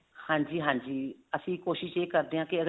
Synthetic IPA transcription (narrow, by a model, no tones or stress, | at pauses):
hãːɲd͡ʒiːɦãːɲd͡ʒiːəsĩːkoːʃɪʃeːkəɾd̪eːɦãːkeəɡ